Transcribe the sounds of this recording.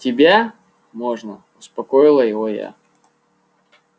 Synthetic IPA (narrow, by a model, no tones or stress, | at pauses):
tʲɪbʲa | moʐnə | ʊspɐkojɪlˠəjɪvoja̰